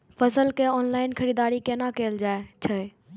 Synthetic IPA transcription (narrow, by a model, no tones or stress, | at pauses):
pʰəsəlkeɔːnlaːɪnkʰəɾid̪aːɾikenakeld͡ʒaːet͡ʃʰəe